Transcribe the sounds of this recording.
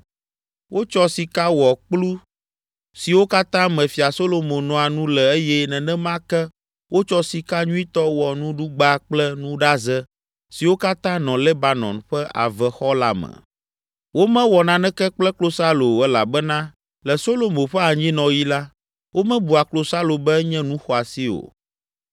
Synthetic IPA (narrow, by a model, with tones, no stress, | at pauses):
wʔo˦t͡ʃɔ˦si˨ka˦wɔ˨k͡plu˦ | si˨wo˦ka˦t̪ã˦mɛ̃˨fi˨a˨so˦lo˨mõ˨nɔ̃˨a˨nũ˦lɛ˨e˦jɛ˦nɛ̃˨nɛ̃˦mã˦kɛ˦ | wʔo˦t͡ʃɔ˦si˨ka˦ɲũ˦i˦t̪ɔ˦wɔ˨nũ˦ɖu˦ɡ͡ba˦k͡plɛ˦nũ˦ɖa˦zɛ˦ | si˨wo˦ka˦t̪ã˦nɔ̃˨lɛ˦ba˨nɔ̰̃˨nɸɛ˦ʔa̰˨vɛ˨xɔ˦la̰˦mɛ̰̃˨ | wo˦mɛ̃˦wɔ˨nã˨nɛ̃˦kɛ˦k͡plɛ˦klo˦sa˦lo˨ɛ˦la̰˨bɛ˦nã˦ | lɛ˨so˦lo˨mõ˨ɸɛ˦a˨ɲĩ˦nɔ̃˨ji˦la˦ | wʔo˦mɛ̃˦bu˨a˨klo˦sa˦lo˨bɛ˦ɲɛ̃˦nũ˦xɔ˨a˨si˦o̰˨